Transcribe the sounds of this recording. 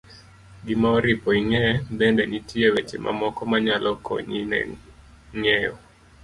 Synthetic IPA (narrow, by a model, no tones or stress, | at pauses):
ɡɪmaɔɾipɔiŋɛbendeɲitʰiewet͡ʃḛmʔa̰mɔkɔmaɲalʔɔkʰɔ̰ɲinɛ̰ | ŋɛɔ